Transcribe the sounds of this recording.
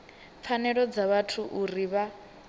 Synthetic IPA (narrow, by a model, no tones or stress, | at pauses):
p̪fʰanɛɺɔd͡zaβatʰuʔuriβa